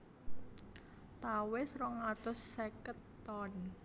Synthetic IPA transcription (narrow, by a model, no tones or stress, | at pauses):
t̪awesɾɔŋat̪ʊsːɛkət̪ːɔn